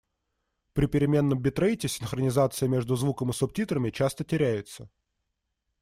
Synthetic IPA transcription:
pɾʲɪpʲɪɾʲɪmʲe̞nːəmbʲɪt̪ɾəjtʲɪsʲɪnxɾənʲɪzat̪sɨjəmʲe̞ʐd̪ʊzvukəmɨsɔp̚tʲit̪ɾəmʲɪt͡ɕast̪ətʲɪɾʲæjɪt̪sə

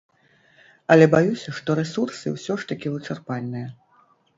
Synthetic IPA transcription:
ɐlʲɛbajusʲɐʂt̪ɔɾɛsursɨwsʲɔʂt̪ɐkʲivɨt͡ʂarpalʲnɨjɐ

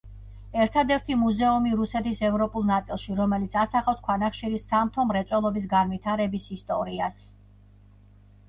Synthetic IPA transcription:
ɛɾt̪ʰad̪ɛɾt̪ʰimuzɛumiɾusɛt̪ʰisɛvɾɔpʼulˠnat̪sʼilˠʃiɾɔmɛlit̪sʰasaχafskʰwanaχʃiɾisamt̪ʰɔmɾɛt̪sʼwɛlˠɔbis̬ɡanvit̪ʰaɾɛbisist̪ʼɔɾias

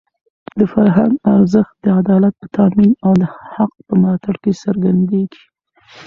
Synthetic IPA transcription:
d̪əfaɾɦaŋɡaɾzəxt̪̚d̪əad̪ɑlat̪̚pət̪ɑminawd̪əhaq̚pəmɾɑt̪aɽkesəɾɡand̪eɡi̥

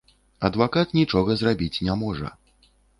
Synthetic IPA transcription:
ɐd̪vakat̪nʲit͡ʂɔɣɐzrabʲit͡sʲnʲamɔʐɐ̰

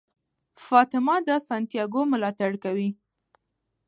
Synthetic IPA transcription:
fɑt̪ɪmɑd̪əsant̪jɑɡomʊlɑt̪aɽkawi

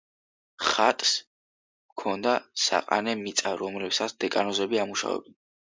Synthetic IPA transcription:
χat̪ʼs | mkʰɔnd̪asa̰qʼa̰nɛmit̪sʼaɾɔmlɛbsat̪sʰd̪̥ɛkʼanɔzɛbiamuʃa̰vɛ̰bɛn

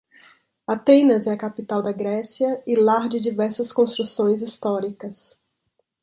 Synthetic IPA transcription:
at̪ẽnɐzɛɐkapit̪awd̪ɐɡɾɛsiɐɪlaɾd͡ʒɪd͡ʒivɛɾsɐskõst̪ɾusõj̃zist̪ɔɾikɐs

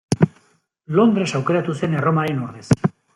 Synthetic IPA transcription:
lo̞nd̪ɾe̞sawke̞ɾat̪use̞ne̞ro̞maɾenoɾðes

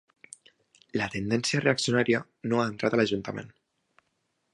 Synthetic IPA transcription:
lət̪end̪ɛnsiəreəksijunaɾiə | noaənt̪ɾat̪ələʒunt̪əmḛn

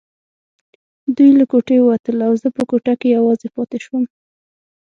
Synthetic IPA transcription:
d̪ujlakoʈeowat̪əlawzəpəkoʈakejawɑzepɑt̪eʃwəm

